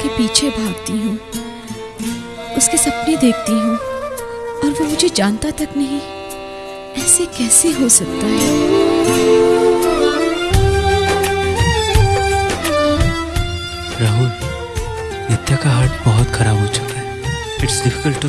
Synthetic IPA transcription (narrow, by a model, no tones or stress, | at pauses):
kepiːt͡ʃʰebʱaːɡt̪iɦũː | ʊskesɐpned̪eːk̚ʰt̪iɦũ | ɔːɾʋomʊd͡ʒʱed͡ʒaːnt̪at̪ɐknɐɦĩ | ɛːsekɛːseɦosɐk̚t̪aɦɛː | ɾaɦũ | nɪt̪jakaɦaɾʈbɐɦɔt̪xʰɐɾaːbɦot͡ʃʊ̥kaɦɛ | ɪʈsɖɪfɪ̥kəlʈː